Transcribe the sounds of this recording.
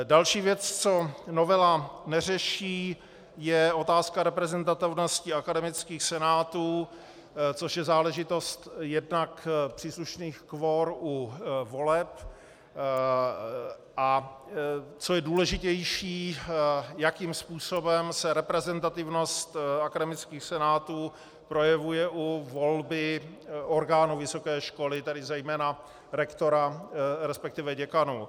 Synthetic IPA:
dalʃiːvjɛt͡st͡so̞no̞vɛlanɛrɛʃiː | jɛʔo̞t̪aːskaɾɛpɾɛzɛnt̪at̪ɪvnoscɪakadɛmɪt͡skiːxsɛnaːt̪uː | t͡so̞ʃjɛzaːlɛʒɪt̪o̞st̪jɛdnakpr̥iːsluʃniːxkvoɾuvo̞lɛp | ʔa | t͡sojɛduːlɛʒɪcɛjʃiː | jakimspuːsobɛmsɛɾɛpɾɛzɛnt̪at̪ɪvno̞st̪akadɛmɪt͡skiːxsɛnaːt̪uː | pɾo̞jɛvujɛʔuvo̞lbɪ | ʔo̞ɾɡaːnuvɪso̞kɛːʃko̞lɪt̪ɛdɪzɛjmɛːna | ɾɛkt̪o̞ɾaɾɛspɛk̚t̪ɪvɛɟɛkanu

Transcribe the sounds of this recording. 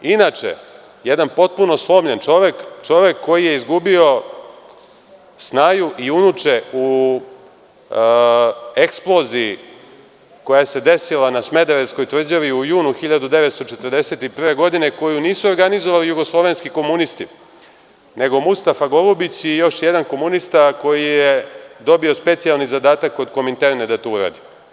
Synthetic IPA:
inat͡ʃḛ | jed̪anpo̞t̪̚puno̞slˠo̞ːmʎent͡ʃoʋekt͡ʃo̞ʋe̞kːo̞jije̞izɡubio̞ | snaːjuʔiunut͡ʂeu | eksplˠo̞zii | ko̞jaese̞d̪e̞silanasme̞d̪eɾesko̞jt̪vr̩d͡ʑaʋiujuːnuxiʎad̪ud̪e̞ʋet̪st̪o̞t͡ʂet̪ərd̪e̞set̪ipr̩ʋeɡo̞d̪ine̞ko̞juniːsuoɾɡanizoʋalijuɡo̞slˠo̞ʋe̞nskiko̞munist̪i | ne̞ɡo̞must̪afaɡo̞lubit͡ɕjejo̞ʃjed̪anko̞munist̪ako̞jijed̪o̞bio̞spe̞t̪sialˠnizad̪aːt̪akːo̞d̪ko̞mint̪eɾned̪at̪ouɾa̰ːd̪i

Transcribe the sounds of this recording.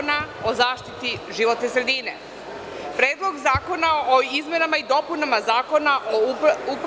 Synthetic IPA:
nao̞zaːʃt̪it̪iʒiʋo̞t̪nesɾe̞d̪ine | pɾeːd̪lˠo̞ɡzaːko̞naoizmenamaid̪o̞punamazaːko̞naʔoup

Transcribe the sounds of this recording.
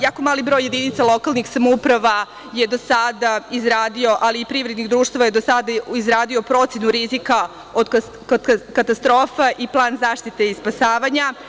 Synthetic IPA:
jaːko̞maːlibɾojːe̞d̪init̪salo̞kalˠnixsamoupɾaʋa | je̞d̪o̞sad̪aizɾaːd̪io̞ʔaliːpɾiːʋɾed̪nixd̪ɾuːʃt̪aʋaje̞d̪o̞sad̪aizɾaːd̪io̞pɾo̞t̪sjenuɾizika | o̞d̪k | kod̪kkat̪ast̪ɾoːfaʔiplˠaːnzaːʃt̪it̪e̞ispasaːʋaɲa

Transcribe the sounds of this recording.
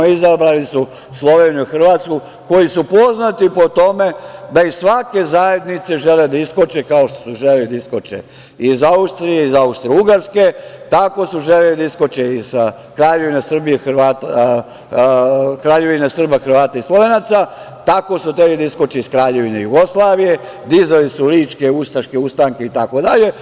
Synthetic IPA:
izabɾalisu | slˠo̞ʋenijuixr̩ʋat̪sku | ko̞jisupo̞znat̪ipo̞t̪o̞me̞d̪aisʋake̞zaje̞d̪nit̪se̞ʒele̞d̪aiskot͡ʃekaoʃt̪o̥suʒelelid̪aiskot͡ʃḛ | izaust̪ɾijeizaust̪ɾeuɡaɾske̞t̪ako̞suʒelelid̪aiskot͡ʃeiz̥ | kɾaːʎeʋinesr̩bijexrʋaːt̪ | kɾaːʎe̞ʋinesr̩baxr̩ʋaːt̪aislˠo̞ʋenat̪sa | t̪ako̞sut̪ɾeblid̪aisko̞t͡ʃeiskɾaːʎe̞ʋinejuɡoslˠaːʋije̞ | d̪izalisuliːt͡ʃke̞ust̪aʃkeust̪aŋke̞it̪ako̞d̪aʎe̞

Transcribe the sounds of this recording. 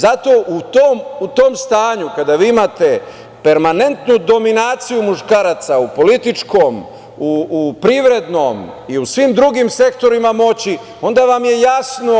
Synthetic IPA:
zat̪o̞ʔut̪oːmut̪o̞ːmst̪aːɲukad̪aʋiːimat̪e̞ | pe̞ɾmane̞nt̪nud̪o̞minaːt̪sijumuʃkaːɾat̪saupo̞lit̪it͡ʃko̞m | uupɾiʋɾe̞d̪no̞m | iusʋimd̪ɾuɡimse̞kt̪o̞ɾimamo̞t͡ɕi | o̞nd̪aʋamje̞jasno̞

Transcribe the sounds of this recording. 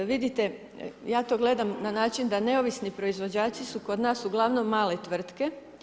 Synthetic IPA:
ʋid̪it̪e | jaːt̪o̞ːɡle̞d̪amnanaːt͡ʃind̪ane̞oʋisnipɾo̞izʋo̞d͡ʑaːt͡ʃ̪isuko̞d̪naːsuɡlˠaʋno̞mːaːle̞t̪ʋr̩t̪ke̞

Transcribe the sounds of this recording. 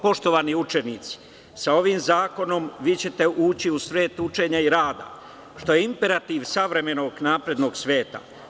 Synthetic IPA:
po̞ʃt̪o̞ʋaːniut͡ʃeniːt̪si̥ | sao̞ʋiːmzaːko̞no̞mʋiːt͡ɕe̞t̪e̞ʔuːt͡ɕiusʋe̞ːt̪ut͡ʃe̞ɲaiɾaːd̪a̰ | ʃt̪o̞jeimpe̞ɾat̪iːʋsaʋɾe̞me̞no̞ːɡnaːpɾe̞d̪no̞ːɡsʋe̞ːt̪a̰

